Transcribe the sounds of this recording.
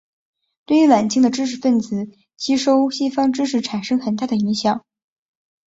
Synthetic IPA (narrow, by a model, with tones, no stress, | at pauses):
t̪we˥˩ɪy˧˥wa˨˩nt͡ɕi˥˩ŋd̪ə˩ʈ͡ʂɻ̩˥ʂ̬ɻ̩˧˥˩fə˥˩nt͡sɹ̩˨˩˦ | t͡ɕʰi˥ʂo˥ʊɕi˥fɑ˥ŋʈ͡ʂɻ̩˥ʂ̬ɻ̩˥˩ʈ͡ʂʰa˨˩nʂɤ˥ŋxə˨˩nt̪a˥˩d̪ə˩i˧˥ŋɕjɑ˨˩˦ŋ